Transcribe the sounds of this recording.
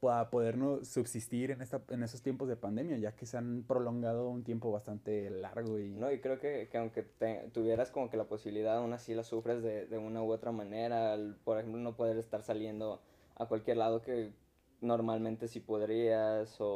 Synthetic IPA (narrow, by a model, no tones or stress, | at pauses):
paapo̞ðe̞ɾnosubsist̪iɾenest̪ae̞ne̞sost̪je̞mpo̞zðe̞pand̪e̞mjaʝakeseanpɾo̞lo̞ŋɡað̞o̞unt̪je̞mpo̞βast̪ant̪e̞la̰ɾɣo̞inoikɾe̞okekeawŋke̞t̪et̪uβje̞ɾasko̞mo̞ke̞lapo̞siβiliðaðaunasilasufɾe̞zðe̞ðe̞unaoot̪ɾamãneɾalpo̞ɾexe̞mplo̞no̞poðe̞ɾest̪aɾsalje̞nd̪o̞ | a̰kwalkje̞ɾlað̞o̞ke̞ | no̞ɾmalmẽnt̪e̞sipo̞ðɾiaso